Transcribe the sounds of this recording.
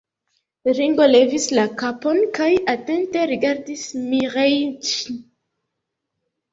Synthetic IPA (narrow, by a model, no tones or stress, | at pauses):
ɾiŋɡo̞le̞vislakapo̞nkajate̞nte̞ɾiɡaɾdismiʁejt͡ʃi